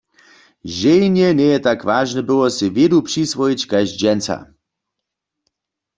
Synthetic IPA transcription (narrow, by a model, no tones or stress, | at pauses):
ʒejnɛnɛjɛt̪akʋaːʒnɛbɪwɔsivjed̪upʂisʋɔjit͡ɕkazd͡ʑɛnt͡sa̰